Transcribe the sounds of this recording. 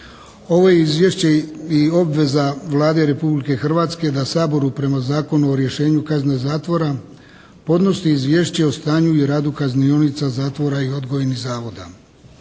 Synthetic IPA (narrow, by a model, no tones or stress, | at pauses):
o̞ʋo̞jeizʋjeʃt͡ɕeio̞bʋe̞zaʋlˠaːd̪e̞ɾe̞publike̞xr̩ʋaːt̪ske̞d̪asaːbo̞ɾupɾe̞mazaːko̞nuo̞ɾje̞ʃe̞ːɲukaznezaːt̪ʋo̞ɾa | po̞d̪no̞siizʋje̞ːʃt͡ɕe̞ost̪aːɲuiɾaːd̪ukaznionit̪sazaːt̪ʋo̞ɾaio̞d̪ɡo̞jenizaːʋo̞d̪a̰